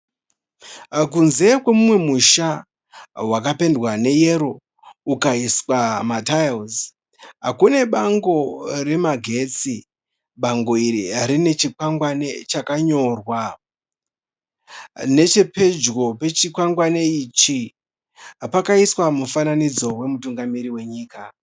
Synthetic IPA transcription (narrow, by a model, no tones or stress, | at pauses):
k̬unze̞kwe̞mumwe̞muʃa | wakape̞ndwane̞je̞ɾo̞ | ukaiswamatajlz | ɦa̰kune̞ɓaŋɡo̞re̞maɡʱe̞t͡si | ɓaŋɡo̞iɾiaɾine̞t͡ʃikwaŋɡwane̞t͡ʃakaɲo̞rwa | ne̞t͡ʃe̞pe̞d͡ʒɣo̞pe̞t͡ʃikwaŋɡwaneit͡ʃi | pakaiswamufananid͡zo̞we̞mutuŋɡamiɾiwe̞ɲiːka